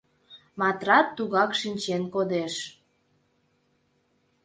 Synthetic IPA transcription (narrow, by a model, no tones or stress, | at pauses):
mɑt̪rɑt̪ːuɣɑkʃinʲt͡ɕenkod̪eʃ